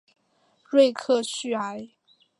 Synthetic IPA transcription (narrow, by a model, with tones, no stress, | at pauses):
ɻwe˥˧ɪkʰɤ˥˧t͡ɕʰy˥˩a˧˥ɪ